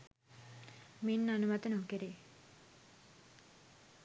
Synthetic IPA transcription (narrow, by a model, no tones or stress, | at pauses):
minːanumat̪ənukeɾe